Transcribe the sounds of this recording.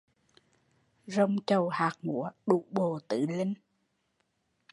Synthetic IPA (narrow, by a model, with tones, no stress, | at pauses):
zə˧wŋ͡mt͡ɕə˨˩whaː˨˩k̚ŋṵ˧˥˦əɗṵ˧˨ɓo˨˩t̪ɨ̰˧˨li˧ŋ